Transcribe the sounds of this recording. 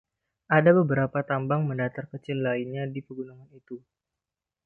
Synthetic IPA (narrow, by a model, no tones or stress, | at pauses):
ʔadabəbəɾapat̪ambaŋməndat̪arkət͡ʃɪlːainɲadipəɡunaŋanit̪u